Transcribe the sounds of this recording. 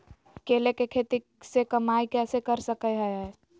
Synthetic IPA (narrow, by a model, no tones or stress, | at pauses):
kelekekʰet̪i | sekəmaikɛsekəɾsəkəɦəjɦə